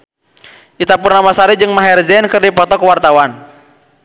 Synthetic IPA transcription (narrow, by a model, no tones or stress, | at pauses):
ʔit̪apurnamasaɾid͡ʒɨŋmaɦɛrd͡ʒɛnkɨrdipɔt̪ɔkəwart̪awan